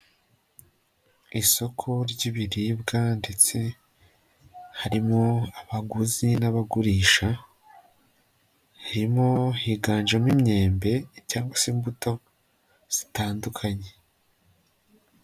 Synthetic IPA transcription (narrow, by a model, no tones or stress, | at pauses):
iso̞kʰo̞ɾɟiβiɾibɡande̞t͡se̞ | haɾimoaβaɡuzinaβaɡuɾiːʃa | haɾimo̞hiɡaːɲd͡ʒamimɲe̞ːmbe̞caːŋɡwasimbuto̞ | z̥i̥taːndukʰaɲe